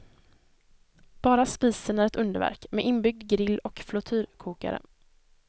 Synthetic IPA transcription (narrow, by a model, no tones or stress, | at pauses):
b̥ɑːɾaspiːsənæɾɛt̪ɵnd̪əɾvæ̰ɾkmeːʔɪnbʏɡ̚d̪ɡɾɪlːɔkflʊt̪ʰyːɾkʰuːka̰ɾə̰